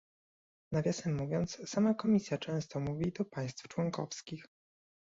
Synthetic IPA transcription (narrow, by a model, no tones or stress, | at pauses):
navʲjasɛmːuvʲjɔnt̪ssamakɔmʲisʲjat͡ʂɛ̃w̃st̪ɔmuvʲid̪ɔpaj̃st̪ft͡ʂwɔŋkɔfskʲix